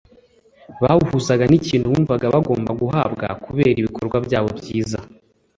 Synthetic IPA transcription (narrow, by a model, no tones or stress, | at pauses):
βahuhuzaɡaniciːnduβuːɱvaɡaβaɡo̞ːmbaɡuɦaːbɡa̰kuβe̞ːɾiβikʰo̞ɾɡwabjaːβo̞bɟjiːza